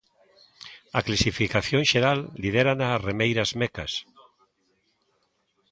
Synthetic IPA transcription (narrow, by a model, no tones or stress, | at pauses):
aklasifikaθjoŋʃeɾalːið̞eɾanaremejɾazmeka̰s